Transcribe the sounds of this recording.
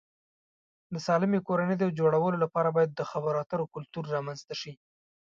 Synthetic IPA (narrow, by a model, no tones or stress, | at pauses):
d̪əsɑlɪmekoɾanəjd̪awd͡ʒoɽawəlolapɑɾabɑjad̪ːəxabaɾɑt̪əɾokʊlt̪uɾːɑmanzt̪aʃi